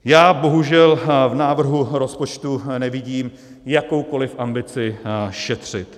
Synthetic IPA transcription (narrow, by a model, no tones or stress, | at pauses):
jaːbo̞ɦuʒɛlvnaːvr̩ɦuɾo̞spo̞t͡ʃt̪unɛvɪɟiːm | jako̞wko̞lɪfʔambɪt͡sɪʃɛt̪r̝̥ɪt̪